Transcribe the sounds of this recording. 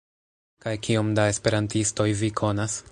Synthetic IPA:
kajkiomdae̞spe̞ɾantisto̞jvikʰo̞nas

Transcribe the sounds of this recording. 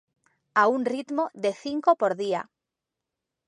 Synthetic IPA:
aunrit̪moðeθiŋkopoɾðia̰

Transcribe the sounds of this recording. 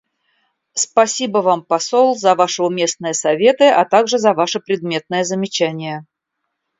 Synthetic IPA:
spɐsʲibəvampɐsolˠzɐvaʂɨʊmʲe̞snəjəsɐvʲe̞t̪ɨɐt̪aɡʐɨzɐvaʂɨpɾʲɪd̪̚mʲe̞t̪̚nəjəzəmʲɪt͡ɕænʲɪjə

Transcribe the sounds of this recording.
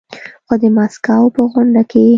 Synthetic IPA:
xod̪əmɑskawpəɣʊɳɖake

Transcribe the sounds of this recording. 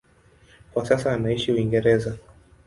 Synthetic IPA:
kwasasaːnaiʃiuiŋɡɛɾɛza

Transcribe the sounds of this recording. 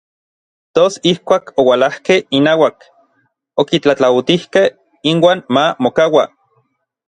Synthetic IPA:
t̪osihkʷaːkowalahkehinaːwak | okit͡ɬat͡ɬawt̪ihkeh | inwaːnmamokawa

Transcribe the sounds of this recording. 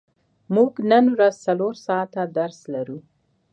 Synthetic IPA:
muɡnənwɾazt͡saloɾsɑt̪ad̪aɾslaɾu

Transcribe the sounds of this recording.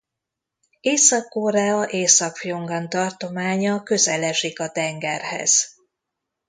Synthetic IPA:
eːsɒkːoːɾaːɒʔeːsɒkfjo̞ŋɡɒnt̪ɒrt̪o̞maːɲɒkø̞zɛlɛʒikɒt̪ɛŋɡɛrhɛ̰z̥

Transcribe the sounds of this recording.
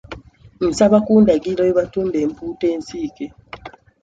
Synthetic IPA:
n̩saβakuːndaɡiloeβatuːmbempuːteːnsiːke

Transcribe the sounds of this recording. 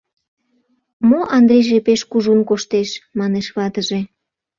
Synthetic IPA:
moʔɑnd̪ɾejʒepeʃkuʒunkoʃt̪eʃmɑneʃβɑt̪əʒe

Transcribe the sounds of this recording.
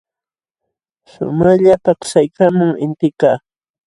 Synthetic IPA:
sʊ̰maʎapaqsajkamʊŋɪnt̪ɪkaː

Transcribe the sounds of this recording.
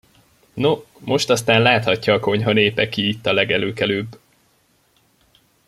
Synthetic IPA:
no | mo̞ʃt̪ɒst̪aːnlaːt̪hɒcːɒːko̞ɲɦɒneːpɛkiːt̪ːɒlɛɡɛløːkɛløːbː

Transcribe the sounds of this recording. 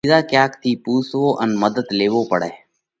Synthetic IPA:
zaːkjaːk̚t̪ʰiːpuːsʋoːʔənməd̪əd̪leːʋoːpəɽɛː

